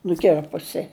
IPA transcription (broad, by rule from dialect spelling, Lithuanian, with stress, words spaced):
nʊˈkʲɪrpʊsʲɪ